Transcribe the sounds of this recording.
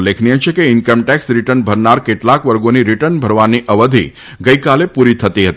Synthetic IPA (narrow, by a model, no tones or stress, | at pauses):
lekʰniet͡ʃʰekeɪnkəmʈɛksɾiʈənbʱəɾnaɾkeʈlakʋəɾɡoniɾiʈənbʱəɾʋaniʔəʋəd̪ʱḭ | ɡəikalepuɾit̪ʰət̪iɦət̪i